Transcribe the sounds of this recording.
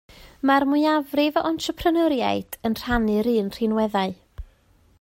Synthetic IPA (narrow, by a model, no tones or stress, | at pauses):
marmʊjavrɪvɔntʰrəpʰrənəɾja̰ɨd̥ənr̥anɨɾɨːnr̥ɪnwɛðaɨ